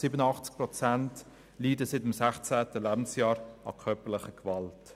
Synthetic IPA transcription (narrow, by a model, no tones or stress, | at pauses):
sɪbənəɑχt͡sk̚pɾɔt͡sænt | liːdəsɪtɪmsæχt͡sæːtəlæːbn̩sjɑːɾɑ̰kʰœpəlɪχəkvɑlt